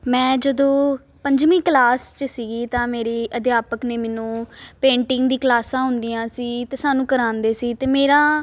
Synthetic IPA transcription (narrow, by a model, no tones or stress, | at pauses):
mɛ̃ːd͡ʒəd̪õː | pəɲd͡ʒmiːklaːst͡ʃəsiːɡiːt̪ãːmeːɾeːʔəd̪jaːpəkneːmɛːnũːpẽːɳʈɪŋɡd̪iːklaːsãːɦʊ̃nd̪iːãːsiːt̪eːsaːnũːkəɾãːnd̪eːsiːt̪eːmeːɾãː